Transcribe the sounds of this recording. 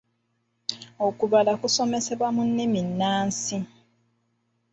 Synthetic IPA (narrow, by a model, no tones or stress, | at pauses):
okuβalakuso̞mese̞βwamunːiminːaːnsi